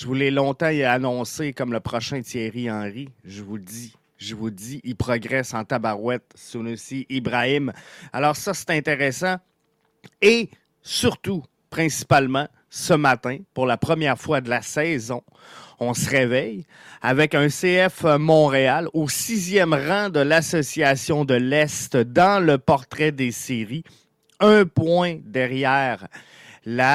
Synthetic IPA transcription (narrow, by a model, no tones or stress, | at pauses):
svulɛlɔ̃t̪ãanɔ̃sɪkɔmləpʁɔʃɛ̃t̪jɛʁiɑ̃ːʁiʒəvud̪i | ʒəvud͡z̪iʔilpʁɔɡʁɛsɑ̃t̪abaʁwɛt̪sonosiʔibʁaɪmalɔːʁsʌse̥t̪ɛ̃t̪eʁesã | e | syʁt̪u | pʁɛ̃si̥palmã | səmat̪ɛ̃puʁlapχəmjɛʁfwad̪əlasɛzɔ̃ | ɔ̃səʁevɛj | avɛkɛ̃seɛfmɔ̃ʁealosizjɛmʁɑ̃d̪əlasɔsiasjɔ̃d̪əlɛst̪d̪ɑ̃ləpɔʁt̪ʁɛd̪eseʁi | œ̃pwɛ̃d̪ɛʁjɛːʁ | la